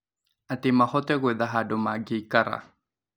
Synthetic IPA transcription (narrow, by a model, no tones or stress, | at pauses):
atɪmahɔtɛɣwɛðaɦadɔmaɡekaɾa̰